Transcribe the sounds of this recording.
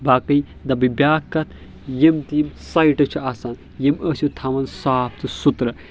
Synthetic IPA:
bakɐj | d̪ɐbɨbʲaːkːɐt̪ʰ | jimt̪iːmsɐjʈɐt͡ʃʰiaːsaːn | jiməsut̪ʰɐmɐnsaːp̚t̪ʰɨsut̪ɾɐ

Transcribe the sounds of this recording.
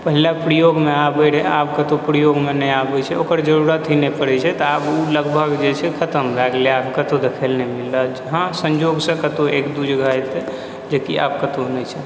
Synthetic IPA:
pəɦilapɾijoɡmeabəɽɛabkət̪opɾijoɡmenəjabɛt͡ʃʰɛokəɾd͡ʒəɾuɾət̪inepəɽɛt͡ʃʰɛt̪ɔabuləɡbʱəɡd͡ʒet͡ʃʰɛkʰət̪əmd̪aɡleabkət̪od̪ekʰəlnemilːad͡ʒəɦãsə̃ɲd͡ʒoɡsə̃kət̪oekd̪ud͡ʒʱɡʱajt̪ɛ | d͡ʒekia̰b̚kət̪onəjt͡ʃʰɛ

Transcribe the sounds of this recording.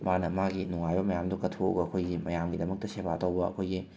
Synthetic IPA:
manɐmaɡinuŋajbɐmɐjamdukɐtʰo̰ɡɐːkʰojɡimɐjamɡidɐmɐk̚tɐsebʰʱaɐtɐwbɐɐ̰kʰojɡi

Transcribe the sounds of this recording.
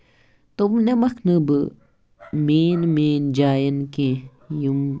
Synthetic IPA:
t̪umnemɐkʰnɨbɨ | meːnmeːnd͡ʒaːjənkẽ | jum

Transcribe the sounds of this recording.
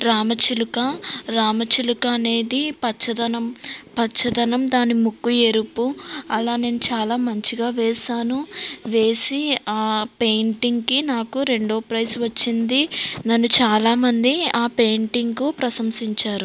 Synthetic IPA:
ɾaːmɐt͡ʃilukɐɾaːmɐt͡ʃilukɐːne̞ːd̪ipɐt͡ʃʰːɐd̪ɐnɐmpɐt͡ʃʰːɐd̪ɐnɐmd̪aːnimukːuje̞ɾupːuɐlaːne̞ːnut͡ʃaːlaːmɐɲt͡ʃiɡaːʋɛːsaːnuʋe̞ːsiaːpe̞jɳʈiŋɡkinaːkuɾe̞ɳɖoːpɾɐjsʋɐt͡ʃːind̪inɐnːut͡ʃaːlaːmɐnd̪iaːpe̞jɳʈiŋɡkupɾɐsɐmsiɲt͡ʃaːɾu

